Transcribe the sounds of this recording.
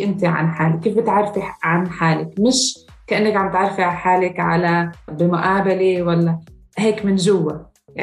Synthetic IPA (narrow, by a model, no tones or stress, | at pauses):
ʔɪnt̪iʕa̰nħaːlɪkːiːfbɪt̪ʕɑrˤːfiʕanħaːlɪkmɪʃ | kaʔanːakʕambt̪ʕɑrˤfiħaːlɪkʕa̰labɪmʊʔaːbaliwalːa | heːkmɪnʒʊwːa | a